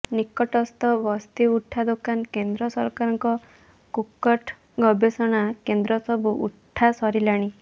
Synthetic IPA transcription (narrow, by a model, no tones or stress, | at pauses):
nikɔʈɔst̪ɔbɔst̪iuʈʰːad̪okankend̪ɾɔsɔɾkaɾɔŋkɔ | kukːɔʈʰ | ɡɔbesɔɽ̃akend̪ɾɔsɔbuʔṵʈʰːasɔɾilaɽ̃i